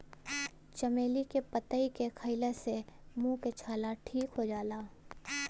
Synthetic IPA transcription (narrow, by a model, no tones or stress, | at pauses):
t͡ʃɐmeːlikepət̪əikekʰəɪlesemũːket͡ʃʰaːlaʈʰiːkɦod͡ʒaːlaː